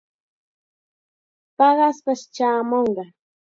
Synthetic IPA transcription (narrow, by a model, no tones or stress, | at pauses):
pɑɢɑspaʃt͡ʃaːmoɴɢɑ